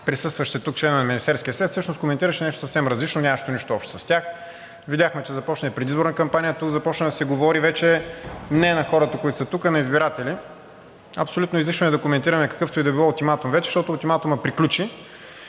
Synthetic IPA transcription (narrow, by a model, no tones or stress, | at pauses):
pɾisɤst̪vɐʃt̪ɛt̪uk̚t͡ʃlɛnovɛnɐminist̪ɛɾskʲiəsvɛt̪sɤʃnoskomɛnt̪iɾəʃɛnɛʃt̪o̥sɐfsɛmɾɐzlit͡ʃnonʲamɐʃt̪oniʃt̪oɔpʃt̪ɛ̥sɐ̥st̪ʲax | vidʲjaxmɛt͡ʃɛzɐpɔt͡ʃnɐɛpɾɛd̪izboɾnɐkɐmpanijət̪ukzɐpɔt͡ʃnɐd̪ɐsɛɡovɔɾivɛt͡ʃɛmnɛnɐxɔɾət̪ɐkoit̪ʊ̥sɐt̪ukənɐizbiɾat̪ɛlʲi | ɐpsolʲut̪nʊizliʃnoɛd̪ɐkomɛnt̪iɾɐmɛkɐ̥kɤft̪oid̪ɐbilˠɔʊt̪imat̪umvɛt͡ʃɛ̥ʃt̪ɔt̪ʊut̪imat̪uməpɾiklʲut͡ʃi